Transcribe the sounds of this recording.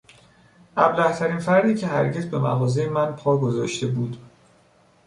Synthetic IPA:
ʔæblæht̪ʰæɾiːnfæɾd̪iːcʰe̞ɦæɾɟezbe̞mæ̰ɣɒːzejemænpʰɒːɡozɒ̰ːʃt̪e̞buːd̪

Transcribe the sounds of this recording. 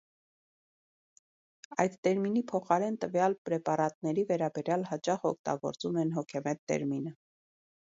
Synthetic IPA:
ɑ̰jd̪t̪ɛɾminipʰɔχɑɾɛnt̪əvjɑlpɾɛpɑɾɑt̪nɛɾivɛɾɑbɛɾjɑlhɑt͡ʃɑχɔ̰k̚ʰt̪ɑ̰ɡɔ̰ɾt͡sumɛnɦɔkʰɛmɛt̪ːɛ̰ɾminə

